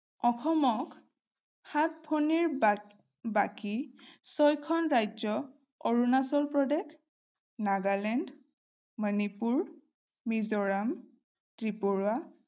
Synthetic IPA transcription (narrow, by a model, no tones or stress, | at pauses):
ɔxʰɔmɔk | xat̚pʰoniɹ | bakisɔjkʰɔnɹajd͡ʒɔ | oɹunasɔlpɹɔdɛk | naɡalɛnd | mənipuɹ | mizɔɹam | tɹipoɹua